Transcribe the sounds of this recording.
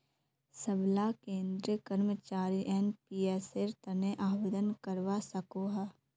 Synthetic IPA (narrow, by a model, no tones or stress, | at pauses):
səblakẽːnd̪ɾijəkəɾmət͡ʃaːɾiʔɛnpiːɛːseɾt̪ɐneʔaːʋed̪ənkəɾʋasɐkoɦɛː